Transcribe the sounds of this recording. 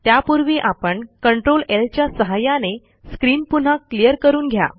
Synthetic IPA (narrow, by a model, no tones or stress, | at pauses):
t̪japuɾʋiːʔapəɳkəɳʈɾolelt͡ɕjasəɦajane | skɾiːnpun̤akːlijəɾkəɾuːnɡʱja̰